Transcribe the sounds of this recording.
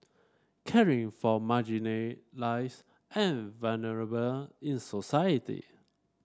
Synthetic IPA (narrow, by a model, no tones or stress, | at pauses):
kʰɛɹɪ̃ŋfɔmad͡ʒinlaɪs | ʔɛ̃nvalnəɹəbəlɪ̃nsɔsajətḭ